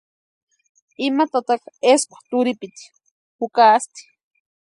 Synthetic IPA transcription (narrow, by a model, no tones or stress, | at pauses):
ɪmat̪at̪akeskʷḁt̪ʊɾɪpɪt̪i̥ | hʊkaːst̪i̥